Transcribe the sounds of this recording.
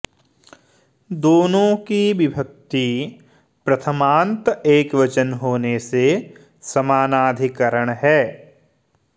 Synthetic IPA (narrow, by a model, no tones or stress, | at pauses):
d̪oːnõkiʋɪbʱək̚t̪i | pɾɐt̪ʰəmãːnt̪eːkʋɐt͡ʃənɦoːnese | sɐmaːnaːd̪ʱɪkəɾəɽ̃ɦɛː